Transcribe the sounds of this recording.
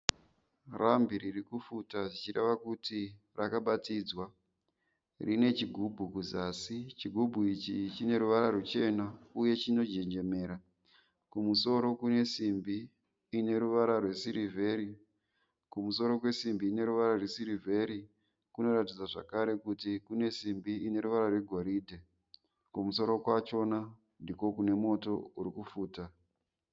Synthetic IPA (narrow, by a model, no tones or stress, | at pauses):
rambiɾirikufutaʐit͡ʃire̞̰ʋakuti | rakaɓatiːd͡zwa | rine̞t͡ʃiɡʱubʱukuzaːsit͡ʃiɡʱubʱuit͡ʃit͡ʃine̞ɾuʋaɾarut͡ʃe̞nauje̞t͡ʃino̞d͡ʒe̞ɲd͡ʒe̞me̞ːɾa | kumuso̞ɾo̞kune̞simbiː | ne̞ɾuʋaɾarwe̞siɾivʱe̞ɾi | kumuso̞ɾo̞kwe̞simbiːne̞ɾuʋaɾarwe̞siɾivʱe̞ɾi | kuno̞ɾatid͡zaʐa̰kaɾe̞kutikune̞simbiine̞ɾuʋaɾarwe̞ɡʱoɾiːdʱe | kumuso̞ɾo̞kwat͡ʃo̞na | ndiko̞kune̞mo̞to̞uɾikufuːta